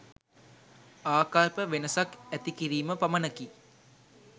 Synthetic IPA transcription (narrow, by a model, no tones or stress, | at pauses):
aːkalpəʋenəsakæt̪ikiɾiːməpamənəki